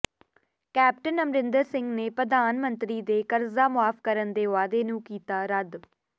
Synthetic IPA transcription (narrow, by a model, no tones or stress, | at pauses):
kɛːp̚ʈənəmɾɪnd̪əɾsɪŋɡneːpɾəd̪aːnmənt̪ɾiːd̪eːkəɾzaːmʊaːfkəɾənd̪eːʋaːd̪eːnũːkiːt̪aːɾəd̪